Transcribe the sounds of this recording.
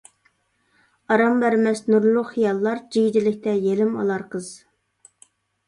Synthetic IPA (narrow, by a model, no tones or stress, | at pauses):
ɑɾɑmbæɾmɛsnuɾlˠʊχijɑlˠːɑɾd͡ʒiɡd͡ʒilɪk̚ʲt̪ʰɛjelɪmɑ̰lˠɑɾqʰəz̥